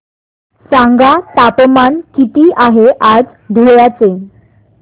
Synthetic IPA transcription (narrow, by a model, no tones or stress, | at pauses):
sãŋɡat̪apmankit̪iːʔaɦeʔad͡z | d̪ʱuɭjat͡se